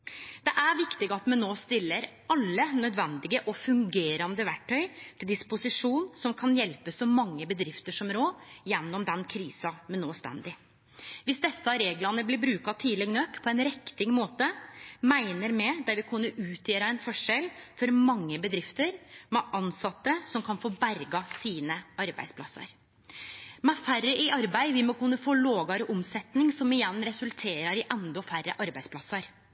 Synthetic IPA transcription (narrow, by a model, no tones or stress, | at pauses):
d̪̥ɛʔæɾʋɪkt̪ɪɡəɑt̪mɛnːoːst̪ɪlːəɾ | ɑlːənœd̪ʋɛnd̪ɪɡəʔɔfʉŋɡeːɾɑnd̪əʋæʈʰːœʏt̪ʰɪld̪ɪspʊsɪʂuːnsɔmkʰɑnjɛlpəsɔmɑŋːəbəd̪ɾɪft̪əʂɔmɾoːjɛnːɔmd̪ɛnkʰɾiːsɑmɛnːoːst̪ɛ̰nd̪ɪ | ʋɪsd̪ɛsːɑɾeːɡlɑnəblɪɾbɾʉːkɑt̪ʰiːlɛɡnøkpʰɔɛnɾɛkt̪ɪŋmoːt̪əmæɪnəɾmɛd̪ɛʋɪkʰʉnːəʔʉːt̪jeːɾɑɛnfɔʂɛlfɔɾmɑŋːəbəd̪ɾɪft̪əɾmɛʔɑnsɑt̪ːəsɔmkʰɑnfoːbæɾɡɑsiːnəɑɾbæ̰ɪspʰlɑ̰sə̰ɾ | mɛfærəʔɪʔɑɾbæɪʋɪmɔkʉnːəfoːloːɡɑɾəʔɔmsɛt̪nɪŋsɔmɪjɛnːɾɛsʉlt̪ʰeːɾɑɾɪʔɛnd̪ɔfærːəʔɑɾbæɪdspʰlɑsɑɾ